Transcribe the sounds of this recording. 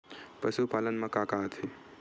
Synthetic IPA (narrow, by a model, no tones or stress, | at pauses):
pəsupaːlənmɐkaːkat̪ʰi